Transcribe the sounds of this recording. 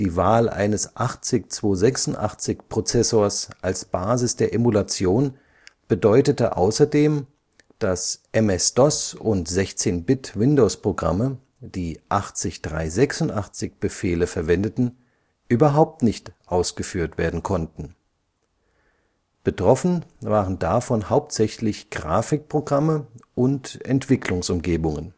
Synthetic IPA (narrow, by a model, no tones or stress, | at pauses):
d̥iːvaːlʔa̰ɪnəsʔaχt͡sɪkt͡sv̥oːzɛksʊntʔa̰χt͡sɪkpʁ̥ot͡sɛsoːɐsʔalsb̥aːzɪsd̥eːɐʔemulat͡sjoːn | b̥ədɔʏtətəʔa̰ʊsɐdeːm | d̥asʔɛmɛsd̥ɔsʊntz̥ɛçt͡seːnbɪtvɪndospʁ̥oɡʁa̰mə | d̥iːʔaχt͡sɪçd̥ʁa̰ɪzɛksʊntaχt͡sɪçb̥əfeːləfɛɐvɛndətn̩ | ʔyːbɐɦaʊp̚tnɪçtʔaʊsɡ̥əfyːɐtv̥eːɐdn̩kʰɔntn̩ | b̥ətʁ̥ɔfn̩vaːʁəndafɔnhaʊp̚tz̥ɛçlɪçɡ̥ʁa̰ːfɪk̚pʁ̥oɡʁaməʔʊntʔɛ̰ntv̥ɪklʊŋsʔʊmɡeːbʊŋən